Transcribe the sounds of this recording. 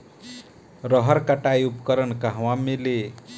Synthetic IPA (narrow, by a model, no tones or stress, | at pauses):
ɾʌɦʌɾkaʈajupkʌɾʌnkaɦwamele